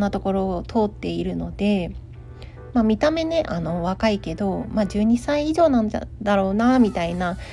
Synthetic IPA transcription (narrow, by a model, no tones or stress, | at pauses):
at̪o̞ko̞ɾo̞ːt̪ʰo̞ːt̪ːe̞iɾɯ̟no̞d̪̥e̞ | maːmʲit̪ame̞ne̞ʔano̞βakaike̞d̪o̞maːd͡ʑɨːɲ̟isaiːʑo̞ːnãnd̪aɾo̞ːnamʲit̪aina